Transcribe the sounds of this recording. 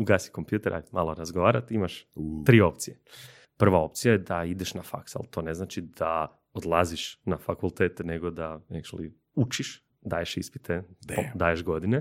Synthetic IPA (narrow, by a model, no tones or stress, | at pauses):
uɡaːsi̥ko̞mpjuːt̪eɾʔa̰jmalˠoɾazɡoʋaːɾat̪imaʃt̪ɾiːo̞pt̪sije | pr̩ʋao̞p̚t̪sijajed̪aid̪eʃnafa̰ksa̰lt̪o̞ne̞znaːt͡ʃid̪a | od̪lˠaziʃnafakulˠt̪eːt̪eneɡod̪aneʃlḭ | ut͡ʃiʃ | d̪aːjeʃḭspi̥t̪ʰeod̪aːjeʒɡo̞d̪ine